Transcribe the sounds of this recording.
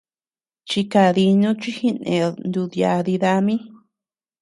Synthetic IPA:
t͡ʃi˧ka˧ði˧nũ˦t͡ʃi˦hi˦nḛ̃˨˧nd̪u˧ðja˧ði˧ða˧mĩ˦

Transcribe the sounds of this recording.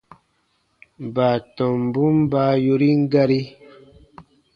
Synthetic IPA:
ba˨tɔ̃˨m˨bu˦m˦ba˦˧jo˧ɾi˦ŋ˦ɡa˧ɾi˦

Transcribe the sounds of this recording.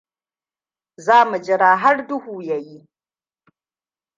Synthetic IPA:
zaː˦mɨ˨d͡ʒɪ˨ɾaː˨ɦa˦ɾdu˦huː˨ja˨ji˦

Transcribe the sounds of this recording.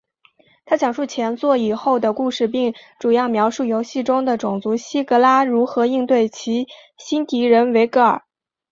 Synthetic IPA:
t̪ʰa˥ɕjɑ˨˩ŋʂu˥˩t͡ɕʰjɛ˧˥nt͡swɔ˥˩i˨˩xo˥˩ʊd̪ə˩ku˥˧ʂɻ̩˥˧p̬i˥˩ŋʈ͡ʂu˨˩jɑ˥˩ʊmjɑ˧˥ʊʂu˥˩jo˧˥ʊɕi˥˩ʈ͡ʂʊ˥ŋd̪ə˨ʈ͡ʂʊ˨˩ŋt͡su˧˥ɕi˥kɤ˧˥la˥ɻu˧˥xɤ˧˥i˥˧ŋt̪we˥˩ɪt͡ɕʰi˧˥ | ɕi˥nt̪i˧˥ɻə˧˥nwe˧˥ɪkɤ˥ə̰˞˨˩

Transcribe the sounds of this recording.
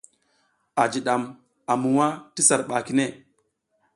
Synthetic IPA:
a˨d͡ʒi˨ɗa˨m | a˨mu˨wa˦ti˦sa˨ɾɓa˨ki˦ne˦˨

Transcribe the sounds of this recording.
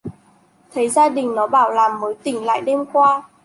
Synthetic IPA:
t̪ʰə˨˦jzaː˧ɗï˨˩ŋ̟nɔ˨˦ɓaː˧˩wlaː˨˩mːəː˨˦jt̪ï˧˩ŋ̟la̰ː˧˨jɗe˧mkwaː˧

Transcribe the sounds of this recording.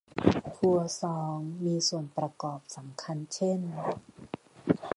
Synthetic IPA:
t̪ʰu˧ɐsɔː˨˦ŋmiː˧su˨˩ənpɾa˧kɔː˨˩p̚sa˩˦mkʰa˧nt͡ɕʰe˥˩n

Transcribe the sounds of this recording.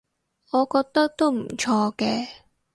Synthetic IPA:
ŋɔː˨˧kɔː˧k̚t̪ɐ˥k̚t̪o˥wm̩˨˩t͡ʃʰɔː˧kɛː˧

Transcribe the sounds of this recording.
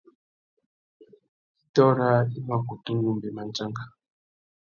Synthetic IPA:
i˨tɔ˦ɾa˦i˦ma˦ku˨tu˦ŋɡu˦mbe˨ma˨nd͡ʒa˦ŋɡa˨

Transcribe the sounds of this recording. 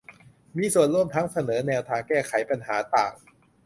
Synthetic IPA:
miː˧su˨˩ənɾu˥˩əmt̪ʰa˦˥ŋsa˧nɤː˩˦nɛː˧wt̪ʰaː˧ŋkɛː˥˩kʰa˩˦jpa˧nhaː˩˦t̪a̰ː˨˩ŋ

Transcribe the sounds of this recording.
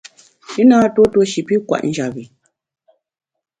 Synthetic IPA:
i˦naː˦to˦to˦ʃi˨pi˦kwa̰˨ʔn̩˦d͡ʒa˨bi˨

